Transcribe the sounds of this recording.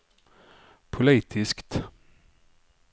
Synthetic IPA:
pʰʊliːt̪ʰɪskt̪

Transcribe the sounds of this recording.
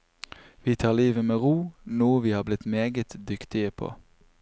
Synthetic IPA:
ʋiːt̪ʰɑːliːʋəmeːʁuːnuːəʋiːhɑːblɪt̪meːɡət̪d̪ʏkt̪ɪəpʰo̰ː

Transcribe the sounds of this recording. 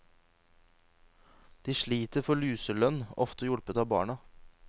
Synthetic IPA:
d̪̥iːʃɭiːt̪əɾfɔɭʉːsəlœnɔ̰ft̪əjʊɽpət̪ɑːbɑ̰ːɳɑ

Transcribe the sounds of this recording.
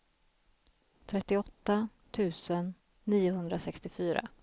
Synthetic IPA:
t̪ʰɾɛt̪ːɪɔt̪ːa | t̪ʰʉ̟ːsənː | iːʊɦɵnd̪ɾasɛkst̪ɪfyːɾa̰

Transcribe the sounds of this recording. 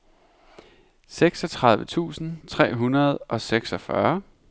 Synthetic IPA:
seɡ̥sɒ̽t͡sʰʁɑ̈ð̞ˠʋət͡sʰṵːsn̩t͡sʰʁɛ̰ːɦunɐð̞̩ˠʔɒ̽seɡ̥sɒ̽fɶɐ

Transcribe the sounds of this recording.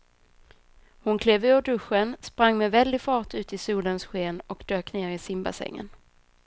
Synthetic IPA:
hʊnkʰleːvøːəɖɵɧənspɾaŋːmɛvɛld̪ɪɡfɑːʈʰʉ̟ːt̪ɪsuːlənsɧeːnɔkd̪̥øːkneːɾɪsɪmba̰sɛ̰ŋːə̰n

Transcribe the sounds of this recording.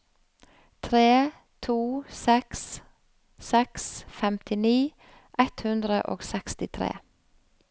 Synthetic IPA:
t̪ʰɾeː | t̪ʰuːsɛks | sɛksfɛmt̪ɪniː | ʔɛt̪hʉnd̪ɾəʔo̰ːɡsɛkst̪ɪt̪ʰɾḛː

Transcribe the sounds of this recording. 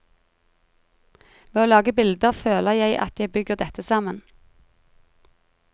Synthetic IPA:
ʋeːoːlɑːɡəbɪld̪əʁføːləʁjæɪʔɑ̰t̪jæɪbʏɡəʁd̪ɛt̪əsɑmən

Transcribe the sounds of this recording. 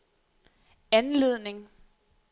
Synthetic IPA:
ænle̝ð̰ˠne̝ŋ

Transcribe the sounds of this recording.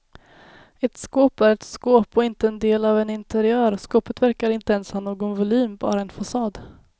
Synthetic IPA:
ɛt̪skoːpæɾɛt̪skoːpɔɪnt̪əɛnd̪eːlɑvɛnɪnt̪ɛɾɪœːɾskoːpət̪væɾkaɾɪnt̪əɛnshɑnoːɡɔnvʊlyːmbɑ̰ːɾaɛnfasɑːd̪

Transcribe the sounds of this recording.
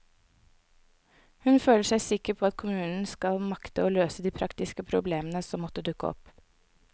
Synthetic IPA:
hʉnføːləʂæɪsɪkəpʰoːɑt̪̚kʰʊmʉːnn̩skɑlmɑkt̪əoːløːsəd̪iːpʰɾɑkt̪ɪskəpʰɾʊbleːmənəsɔmːɔt̪ːəd̪ʉkə̰ɔ̰p

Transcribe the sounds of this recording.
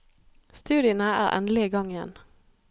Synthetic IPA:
st̪ʉːd̪ɪənəæ̰ːʁʔɛ̰nl̩ɪiɡɑŋɪjɛ̰n

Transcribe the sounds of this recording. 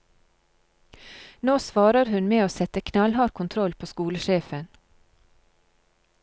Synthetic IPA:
noːsʋɑːɾəɾhʉnmeːoːsɛt̪əkʰnɑlhɑːɾkʰʊnt̪ʰɾɔlpʰoːskuːləʃeːfən

